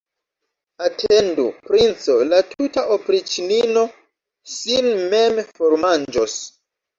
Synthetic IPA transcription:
atʰendupɾint͡so̞latʰutaʔopɾit͡ʃinino̞ | sinmemfoɾmand͡ʒos

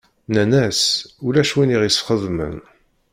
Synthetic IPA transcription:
nænæsulæʃwiniʁisχəðˤmə̰n

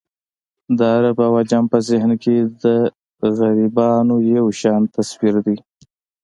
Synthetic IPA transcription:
d̪əaɾabawɑd͡ʒɑmpəzɪɦnked̪ə | ɣaɾibɑnojawʃɑnt̪aswiɾd̪i

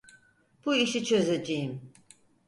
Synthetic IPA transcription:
b̥uiʃit͡ʃʰø̞zed͡ʒejim

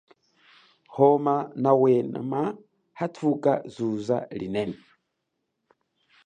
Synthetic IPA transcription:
homanawena̰ma | hatukazuza̰linene

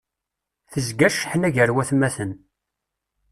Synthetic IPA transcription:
θəzɡæʃħənæʝəɾwæθmæθən

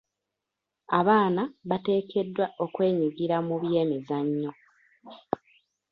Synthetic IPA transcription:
aβaːnaβate̞ːkʰe̞dːwaʔo̞kwe̞ːɲiɡiɾamuβje̞ːmizaɲːo̞

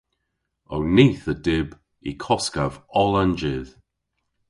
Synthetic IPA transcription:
owniːθədɪb | ḭkʰɔskavɔlˠand͡ʒɪð

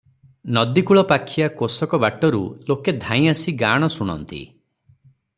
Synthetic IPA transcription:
nɔd̪ikuɭɔpakʰiakosɔkɔbaʈɔɾṵloked̪ʱãĩasiɡaɽ̃ɔsuɽ̃ɔ̰nt̪ḭ

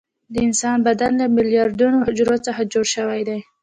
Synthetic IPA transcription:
d̪əɪnsɑnbad̪anlamɪljɑɾd̪unohɪd͡ʒɾot͡səxad͡ʒoɽʃəwajd̪aj

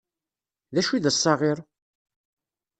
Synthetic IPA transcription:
ðæʃiðəsˤːɑʁɪɾˤ

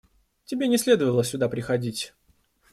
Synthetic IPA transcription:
tʲɪbʲenʲɪsʲlʲe̞d̪əvəlˠəsʲʊd̪apɾʲɪxɐdʲitʲ

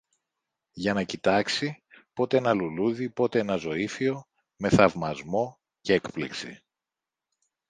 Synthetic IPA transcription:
ʝɐnɐcit̪ɐksi | po̞t̪e̞enɐluluðipo̞t̪e̞e̞nɐzo̞ifio̞ | me̞θɐvmɐzmo̞ | ceekpliksḭ

